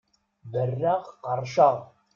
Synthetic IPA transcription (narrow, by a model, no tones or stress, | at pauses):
bərːæʁqɑɾʃɑʁ